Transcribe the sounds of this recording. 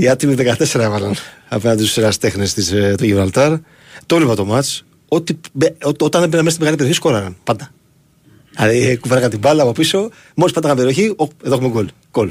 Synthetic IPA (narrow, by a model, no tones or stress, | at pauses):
iɐt̪imiðekɐt̪e̞se̞ɾɐevɐlɐnɐpe̞nɐnd̪isu̥seɾɐst̪e̞xnest̪ist̪oʝivɾɐlt̪ɐɾ | t̪olivɐt̪omɐt͡s | o̞t̪imeoot̪ɐnebenɐmest̪imeɣɐlipeɾio̞çisko̞ɾɐɾɐnpɐnd̪ɐ | ɐɾikuveɾɐkɐnt̪ibɐlɐːpo̞piso̞ | mospɐnd̪ɐkɐmbeɾio̞çioeðoxumeɡol | ɡ̥ol